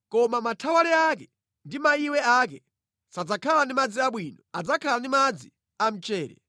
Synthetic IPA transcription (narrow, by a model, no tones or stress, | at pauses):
kɔmamatʰawalɛak̬ɛ | ndimaiwɛak̬ɛ | sad͡zakʰalandimad͡ziaɓwinɔad͡zakʰalandimad͡zi | am̩t͡ʃɛːɾɛ̰